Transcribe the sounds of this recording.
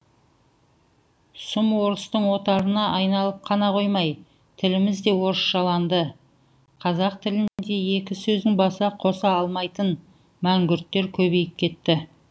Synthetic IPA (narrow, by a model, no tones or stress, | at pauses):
sʊmwo̞ɾəst̪əɴwo̞t̪ɑɾənɑʔɑjnɑlˠəp̚qʰɑnɑqʰo̞jmɑj | t̪ʰɪlɪmɪzd̪e̞wo̞ɾəsʃɑlˠɑnd̪ə | qʰɑzɑq̚t̪ʰɪlɪnnd̪e̞je̞kʲɪsɵzd̪ɪŋbɑsɑqʰo̞sɑɑlˠmɑjt̪ən | mæŋɡʲʏɾt̪ːe̞ɾkʲʰɵbe̞jɪp̚kʲʰe̞t̪ːɪ